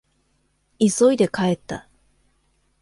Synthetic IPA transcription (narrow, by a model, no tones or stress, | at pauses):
iso̞id̪e̞kae̞t̪ːa̰